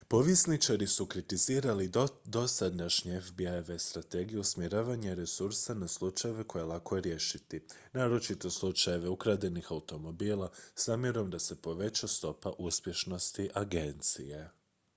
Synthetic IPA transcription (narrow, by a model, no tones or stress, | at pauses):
po̞ʋje̞snit͡ʃaɾisukɾit̪iziːɾalid̪o̞sad̪naʃɲeefbiaeʋest̪ɾat̪e̞ɡijuusmjeɾaːʋaɲeɾe̞suɾsanaslˠut͡ʃaje̞ʋe̞ko̞jelˠako̞je̞ɾje̞ʃit̪inaːɾo̞t͡ʃit̪o̞slˠut͡ʃaje̞ʋe̞ukɾad̪e̞nixaut̪o̞mo̞biːlˠasaːmje̞ɾo̞md̪ase̞po̞ʋe̞t͡ɕast̪o̞paʔuspje̞ʃno̞st̪iʔaɡe̞nt̪sḭje̞